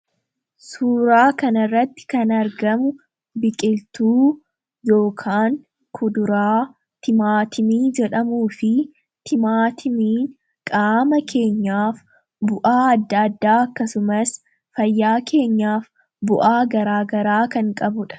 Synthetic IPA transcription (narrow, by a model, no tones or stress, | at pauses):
suːɾaːkɐnɐrːɐt̪ːɪ̥kɐnɐɾɡɐmʊ | bɪkʼɪlt̪uː | jo̞ːkʰaːŋ | kʰʊd̪ʊɾaː | t̪ʰɪmaːt̪ʰɪmiːd͡ʒɛᶑɐmuːfɪ | t̪ʰɪmaːt̪ʰɪmiː | kʼaːmɐkʰe̞ːɲːaːf | bʊʔaːɐd̪ːaːd̪ːaːɐkːɐsʊmɐs | fɐjːaːkʰe̞ːɲːaːf | bʊʔaːɡɐɾaːɡɐɾaːkɐŋkʼɐbʊᶑɐ̥